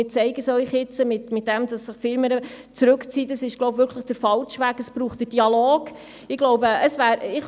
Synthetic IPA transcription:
ɪt͡sɛɪɡəsœʏχjɪt͡səmɪtmɪt̚d̥ɛmd̥ɑsːɪχfɪlməɾə | t͡sɾʉkt͡siːtɑsɪʃɡlɔʊbvʏɾkʰləχd̥əɾfɑlʃʋæːɡəsb̥ɾuːχtd̥əd̥iɑloːɡ̥ | ɪɡ̥lɔʊwbəʔəsvæːɾɪχ

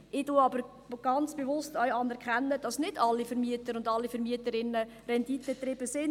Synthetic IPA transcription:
ʔɪtuɑbəɾ | ɡ̥ɑnt͡sb̥evʊstœɥɑnɛɾʁkʰχɛnːəd̥ɑsnɪdɑlːifəɾmiətəɾʊndɑlːifəɾmiətəɾɪnːə | rɛnditətɾɪb̥əsɪn

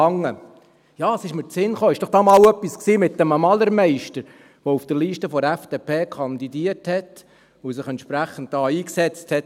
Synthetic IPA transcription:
ɑŋːə | jɑːəsɪʃmət͡sɪnχoːɪʃd̥ɔχd̥ɑːmɑːwœpːisksiːmɪtdɛmɑmɑləɾmɛɪʃtəɾ | ʋoufd̥əɾliːʃtəfɔɾæfd̥epʰeːkʰɑnd̪idiəɾthɛt | ʊsɪχɛntʃpɾæχən̩t̚dɑːiːksɛt͡sthɛt

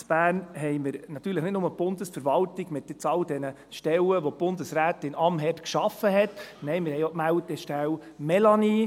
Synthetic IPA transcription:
sb̥æːnɦɛɪməɾnɑt̪ːyːɾləχnɪtnʊməb̥ʊnd̥əsfəɾvɑltiɡ̥mt̪ːɪt͡sɑldɛnə | ʃtɛləʋob̥ʊndəsɾæːtɪnɑmɦɛpkʃɑfəɦɛtnɛɪmɪɾhɛjokmæwt̚ɛʃtæwmɛlɑni

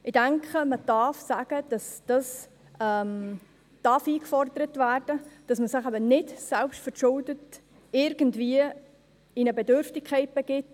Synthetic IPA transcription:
ɪdæŋkʰχəməd̥ɑːfsæɡ̥əd̥ɑsd̥ɑs | ɛm | d̥ɑːfiːkfɔrdəɾətværd̥əd̥ɑsməsɪχæbənɪdsɛlpʃtfəʃʊldət | ɪɾɡ̥əndviə | inəbɛdʏɾftɪkʰːɛɪt̚b̥ɛɡ̥ɪt

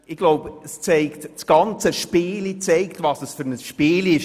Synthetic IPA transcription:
ɪɡ̥loʊbəst͡sɛɪktt͡sɡ̥ɑnt͡səʃpɪːlit͡sɛɪktvɑsəsfʏɾnəsʃpɪːlɪʃ

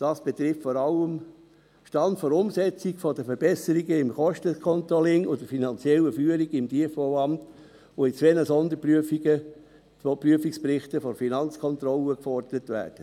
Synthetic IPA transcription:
d̥ɑːsb̥ɛt̪ɾɪftfɔɾɑləm | ʃtɑndfɔɾʊmsɛt͡siɡfɔdəfəɾb̥ɛsəɾiɡəɪmχɔʃtəkʰɔnt̪ɾɔlɪŋʊdəfinɑnt͡sjɛləfyːəɾiɡɪmdiəfoɑmt | oit͡sʋɛnəsɔnd̪əpɾyəfiɡə | opɾyəfiksprɪχtəfɔɾfinɑnt͡skʰɔnt̪ɾɔləkfɔrd̥əɾətʋæ̰ːɾd̥ə

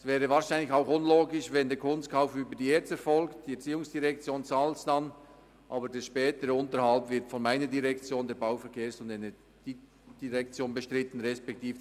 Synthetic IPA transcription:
svɛːɾəvaːɾʃaɪnlɪçaʊxʊnloːɡɪʃvɛndeːkʰʊnst̚kʰaʊfyːbəd̥iːeːt͡sɛɾfɔlktd̥iɛɐt͡siːʊŋsd̥iʁɛk̚t͡sjoːnt͡saːlsd̥ɑn | ʔɑ̰ːbədeːʃpɛːtəɾəʊntəɾhɑlpvɪtfɔnmaɪnədiʁɛkt͡sjoːndeːɾbaʊfɛɾkʰeːsʊndenɛ | ɡ̥iː | d̥iʁɛkt͡sjoːnbəʃtʁɪtən̩ʁɛspɛk̚tiːf

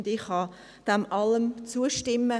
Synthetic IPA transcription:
ndɪχhɑ | d̪̥ɛmʔɑləmt͡suəʃtɪmːə

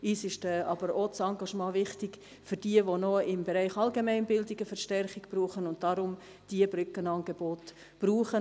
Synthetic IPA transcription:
iːsɪʃtɛɑbəɾot͡sɑŋɡɑʃmɑ̃ːʋɪχtɪɡ | fʏɾd̥iəʋonoɪmbeɾɛɪχɑlɡemɛɪnbɪldɪɡ̥əfəɾʃtɛɾχɪɡb̥ɾuːχənʊnt̚d̥ɑɾʊm | d̥iəbɾʏkːənɑŋɡ̥ebɔt | b̥ruːχə

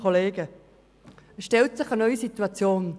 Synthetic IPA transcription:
oleːɡə | ɛʃtɛltsɪχɐnœʏisit̪uat͡sjoːn

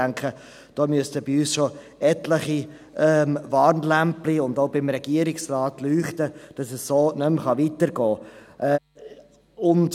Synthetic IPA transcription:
æŋkʰχə | d̥ɔːmyəstəbɪyːsʃo | ɛtləχi | ɛmvɑːrnlæmpliʊndoʊbɪmɾɛɡ̥iəɾɪksrɑːtlyːχtəd̥ɑsəssoːnɵmχɑʋitəɾɡɔːʔɛ | ʊnt

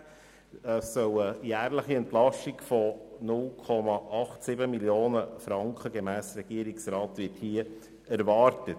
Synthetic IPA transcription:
sœwəjæːɾləχiɛntlɑʃtiɡfɔnʊlkʰɔmɑʔɑχtsɪbəmiljoːnəfɾɑŋkχəɡemæːsɾɛɡ̥iːɾiksɾɑːtʋɪthiə | æɾvɑːɾtət

